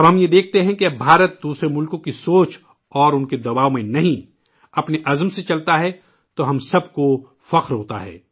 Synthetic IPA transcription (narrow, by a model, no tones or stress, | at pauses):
ɐbɦɐmjed̪eːk̚ʰt̪eɦɛ̃keɐbbʱaːɾət̪̚d̪uːsɾemʊlkõkisoːt͡ʃ | ɔːɾʊnked̪ɐbaːomẽnɐɦĩ | ɐpneʔɐzmset͡ʃɐlt̪aɦɛ | t̪oɦɐmsɐb̚ko | fɐqɾɦoːt̪a̰ɦɛ̰ː